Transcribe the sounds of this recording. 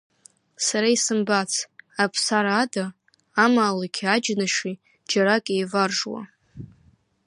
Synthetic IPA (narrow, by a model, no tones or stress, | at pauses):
saɾaisɨmbat͡sʰapʰsaɾada | amaːlakʲʰad͡ʒnaʂi | d͡ʒaɾakʼejvarʐwa̰